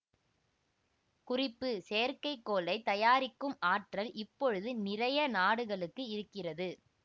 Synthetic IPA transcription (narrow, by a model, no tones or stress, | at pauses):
kʊrɪpːɯseːɐɾkɐɪkːoːlɐɪt̪ɐjaːɾɪkːɯmaːʈrɐlɪpːɔɻɯðɯnɪrɐjɐnaːɽɯɣɐɭɯkːɯɪɾɯkːɪrɐðɯ